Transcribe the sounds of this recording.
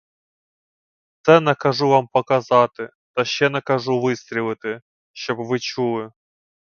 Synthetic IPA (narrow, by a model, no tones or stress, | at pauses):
t̪sɛnɐkɐʐuʋampɐkɐzɑt̪ɪ | t̪ɐʃːɛnɐkɐʐuʋɪst̪ʲɾʲɪlˠɨt̪ɪ | ʃt͡ʃɔbʋɨt͡ʃulˠɪ